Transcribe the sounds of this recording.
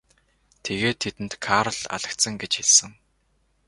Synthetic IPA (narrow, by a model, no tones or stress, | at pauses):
t̪ʰeɣeːt̪ʰːet̪ɘ̆nt̪kʰaːɾə̆ɮa̰ɮə̆kt̪sə̆ŋɡet͡ɕxɪɮsɘ̆ŋ